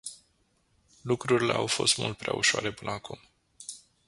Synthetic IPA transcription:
lukɾuɾile̞̰awfo̞st̪mṵlt̪̚pɾeʔauʃoaɾe̞pɨnəakum

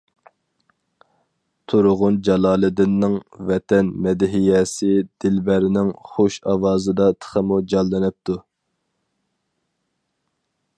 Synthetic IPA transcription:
t̪ʰuɾʊʁʊnd͡ʒɑlˠɑːlˠɨd̪ɪnːɪŋvɛt̪ʰɛnmɛd̪ɪɦijɛsɪd̪̥ɪlbæɾɪnɪŋχoʃɑwɑːzɨd̪ɑt̪ʰə̥χəmud͡ʒɑlˠːɨnɪp̚t̪ʰu

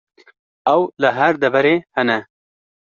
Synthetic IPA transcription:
awlaɦaɾd̪abaɾehana

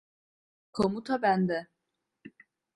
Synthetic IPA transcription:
kʰomut̪ʰabænd̪ɛ

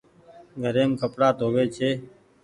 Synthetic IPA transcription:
ɡʱəɾeːmkʰəpɽaːt̪oːʋeːt͡ʃʰeː

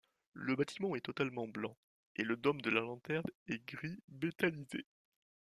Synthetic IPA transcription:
ləbat̪ʰimɑ̃ɛt̪ɔt̪almɑ̃blɑ̃ | eləd̪ɔmd̪əlalɑ̃t̪ɛʁnɛɡʁibet̪alize

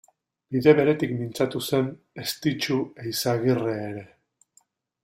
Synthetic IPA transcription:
biðe̞βe̞ɾe̞t̪ikmint͡sat̪use̞n | est̪it͡ʃuejsaɣireːɾe̞

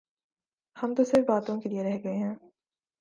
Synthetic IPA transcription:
hɐmt̪osɪɾfbaːt̪õkelieɾɛɦɡɐeɦɛ̃ː

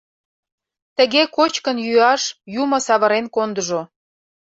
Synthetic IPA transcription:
t̪ə̆ɣekot͡ɕkənjyɑʃjumə̆sɑβə̆ɾenkond̪əʒo

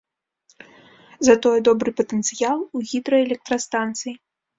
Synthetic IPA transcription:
zɐt̪ɔjɛd̪ɔbɾɨpɐt̪ɛnt̪sɨjalˠuɣʲid̪ɾɐɛlʲɛk̚t̪ɾɐst̪ant̪sɨji

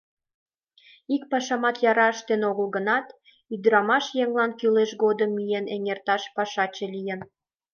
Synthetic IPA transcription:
ik̚pɑʃɑmɑt̪jɑɾɑəʃt̪enoɣəlɣə̆nɑt̪ | yd̪ɾɑmɑʃjeŋlɑnkyleʃɣod̪əmːijeneŋert̪ɑʃpɑʃɑt͡ɕelʲijən

